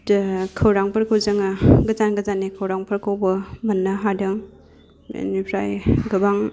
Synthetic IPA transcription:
kʰɐwɾaŋpʰɐɾkʰowzɐŋaɡɐzanɡɐzanːikʰawɾaŋpʰɐɾkʰawbɐmɐnːɐɦadɐŋ̰ | nipʰɾajɡɐbaŋ

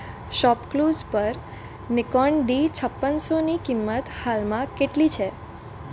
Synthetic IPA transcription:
ʃɔpkluzpəɾ | nɪkɔɳɖit͡ʃʰəpːənsonikimːət̪halmãkeʈlit͡ʃʰe

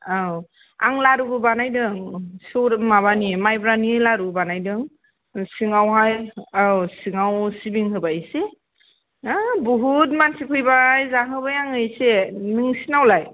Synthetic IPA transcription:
aw | a̰ŋlaɾubɯbanajdɯŋsɯwɾmaβanimajbɾanilaɾubanajdɯŋ | siŋawɦajawsiŋawsibiŋɦɯbase | bɔɦut̬̚mansikʰɯjbajzaɦɯbajaŋɯjsenɯŋsinawlaj

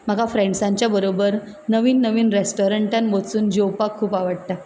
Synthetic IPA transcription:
m̤əɡafɾẽɳɖsaɲt͡ɕjabəɾobəɾ | nəʋiːnːəʋiːnɾesʈoɾəɳʈanbot͡suːnd͡ʑowpakʰːuːpaʋəɽt̪a

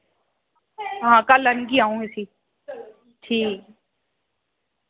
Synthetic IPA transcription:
ɦãːkələnkiaːũːɪsiː | ʈʰiːk

